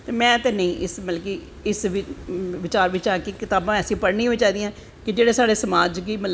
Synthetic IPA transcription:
t̪eːmɛ̃ːt̪eːnəĩːʔɪsmət̪lki | ɪsʋɪʋɪt͡ʃaːɾʋɪt͡ʃaːkikɪt̪aːbãːɛːsĩːpəɽnĩːɦoiːt͡ʃaːid̪iːãː | kɪd͡ʒeːɽeːsaːɽeːsəmaːd͡ʒɡiːməl

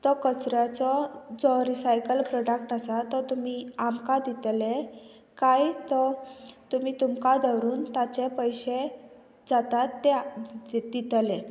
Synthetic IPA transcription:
t̪ɔkət͡sɾat͡sɔd͡zɔɾisajkəlpɾɔɖək̚ʈasat̪ɔt̪um̤iamkad̪it̪le | kajt̪ɔt̪um̤iːt̪umkad̪əwɾuːnt̪at͡ɕepəjɕe | d͡zat̪at̪ːe | d̪it̪le

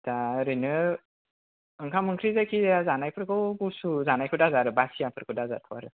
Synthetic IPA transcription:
taɾɯnɯ | ɯŋkʰamɯŋkʰɾizajkʰiazanajpʰɯɾkʰɯwbusuzanajkʰɯdazaɾɯbasijapʰɯɾkʰɯdaza̰tʰuwaɾɯ

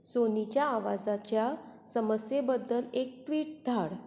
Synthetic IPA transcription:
sonit͡ɕjaːʋad͡zat͡ɕja | səməsjebəd̪ːəlek̚ʈʋiːʈ̚d̪ʱaɽ

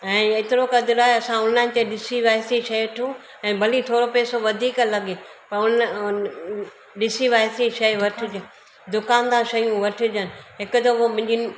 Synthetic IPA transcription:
ɛ̃ːeːt̪ɪɾokɐd̪ɪɾaːɦeɐsãʊnan̆t̪eɗɪsiʋaːjsiʃɐjʈʰũ | ɛ̃ːbʱɐlit̪ʰoːɾopeːsoʋɐd̪ʱiːklɐɡepɐɾʊn | ɗɪsiʋaːjsiʃɐiʋɐʈʰɪ̆d͡ʑən | d̪ʊkaːnd̪ãʃɐjũʋɐʈʰɪ̆d͡ʑənɪ̆ɦɪkʊt̪ɐɦomʊ̃ɦɪ̃ɲd͡ʑi

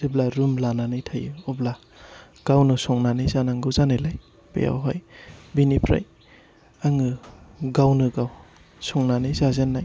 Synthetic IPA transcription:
ziblaɾumlananɯjtʰajɯɔbla | ɡ̥awnɯsɔŋnanɯjzanaŋɡɯzanelaj | bḛja̰wɦɔjbinipʰɾa̰j | aŋɯɡawnɯɡaw | sɔŋnanɯzazenːaj

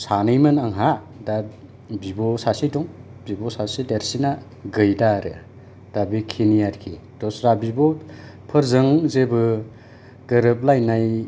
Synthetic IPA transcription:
sanɯjmɯnaŋɦa | da | bibɔsasidɔŋbibɔsasideɾsina | ɡɯjdaɾɯ̰ | d̥abikʰinijaɾkʰi | dɔsɾabibɔpʰɯɾzɯŋzebɯ | ɡ̥ɯɾɯp̚lajnaj

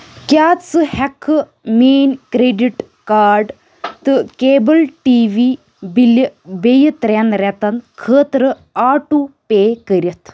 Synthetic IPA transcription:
kʲaːt͡sɨhɐkʰːɨ | meːnkɾeɖiʈ | kaːɾɖ | t̪ɨkeːbəlʈiːʋiː | bilbejɐt̪ɾenɾɛt̪ɐnkʰəːt̪ɾɨ | aːʈupeːkəɾʲɐt̪ʰ

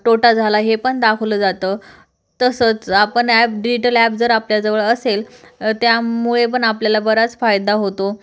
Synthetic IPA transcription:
ʈoʈad͡zʱalaɦepəɳd̪akʰələd͡zat̪əː | t̪əsət͡sapəɳæp̚ɖid͡ʑiʈəlæp̚d͡zəɾapljad͡zəʋəɭəselt̪jamuɭepəɳapljalabəɾat͡sfajd̪aɦot̪o

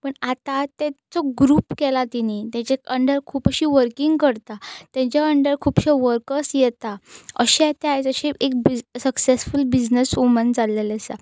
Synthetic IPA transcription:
pəɳat̪at̪at͡sɔɡɾuːpkɛlat̪init̪jãt͡ɕekəɳɖəɾkʰuːpəɕiʋəɾkiŋɡkəɾt̪at̪jãt͡ɕaəɳɖəɾkʰuːpɕeʋəɾkəsjɛt̪aə̰ɕet̪eaɦjt͡səɕeek̚bisəksesfulbid͡ʑnəsumənd͡zalelesa

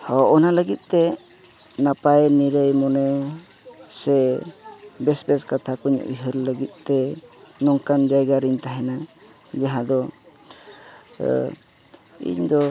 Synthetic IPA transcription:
hɔɔnaləɡit̪̚ˀt̪ɛ | napajniɾəjmɔnɛ | sɛ | bɛsbɛskat̪ʰakuɲ̰ʔṵjɦəɾləɡit̪̚ˀt̪ɛnɔŋkand͡ʒajɡaɾiɲt̪aɦɛna | d͡ʒaɦãd̪ɔ | ḭɲd̪ɔ

